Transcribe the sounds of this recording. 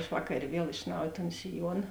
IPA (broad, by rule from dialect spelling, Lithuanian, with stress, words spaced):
ɐʃ ˈʋɑːkɐrʲeː ˈʋʲiɛlˠ ɪʃ ˈnɐʊj toːn sʲɪˈjuɔnɐ